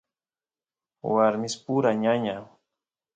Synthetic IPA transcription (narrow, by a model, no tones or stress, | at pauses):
waɾmɪspuɾaɲaɲa